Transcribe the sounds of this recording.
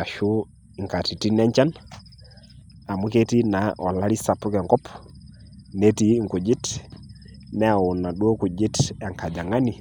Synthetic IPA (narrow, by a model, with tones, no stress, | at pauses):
a˨ʃu˦ | i˨ŋka˨ti˨ti˦nɛ˦ɲt͡ʃa˦n | a˨mu˦kɛ˦ti˦na˨ʔɔ˨la˦ɾi˦sa˨pu˦kɛ˨ŋkɔ˦p | nɛ˦ti˦ŋku˨d͡ʒi˦t | nɛ˦a˨u˨na˨ɗu˦ɔ˦ku˨d͡ʒi˦ta˨ŋkʰa˨d͡ʒa˨ŋa˦ni˨